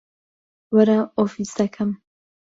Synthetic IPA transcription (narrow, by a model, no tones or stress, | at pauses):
wɐɾaofisd̪ɐkʰɐm